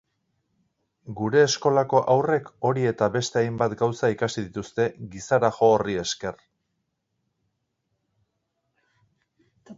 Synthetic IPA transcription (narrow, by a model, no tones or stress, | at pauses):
ɡuɾe̞ːsko̞lako̞ʔawre̞ko̞ɾie̞t̪aβe̞st̪e̞ajmbat̪ɡawsaikasiðit̪ust̪e̞ɡisaɾaxo̞ːrie̞ske̞r